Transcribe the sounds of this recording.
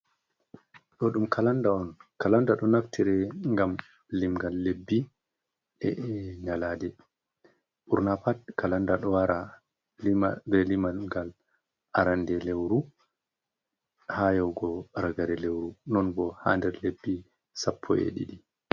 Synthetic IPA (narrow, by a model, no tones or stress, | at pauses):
ɗɔɗumkʰalandaɔnkalandaɗɔnaftʰiɾɛŋɡam | limɡalːebːi | ɛ̰ɲaladɛ | ɓuɾnapad̚kalandaɗɔwaɾa | bɛlimaɡal | ʔaɾandɛlewɾu | hajɔwɡɔɾaɡaɾɛlewɾunɔnbɔha̰ndɛɾlebːi | sapʰːɔ̰ḛɗḭɗi